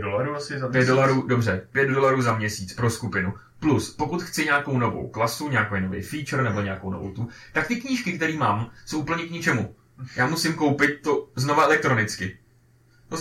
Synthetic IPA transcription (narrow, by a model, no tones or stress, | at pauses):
dolaɾuasapɛdolaɾuːdo̞br̝ɛpjɛd̪̚do̞laɾuːzamɲɛsiːt͡spɾo̞skupɪnu | pluspo̞kut̪xt͡sɪɲaːko̞wno̞vo̰wklasuɲaːkojnovɛ̰jfiːt͡ʃr̩nɛbo̞ɲeakowno̞vo̰wt̪ut̪ak̚t̪ɪkɲiːʃkɪkt̪ɛɾiːmaːmsowʔupl̩ɲɛkɲɪt͡ʃɛmu | jaːmusɪmko̞wpɪt̪̚t̪ːozno̞vaʔɛlɛk̚t̪ɾo̞nɪt͡skɪ | o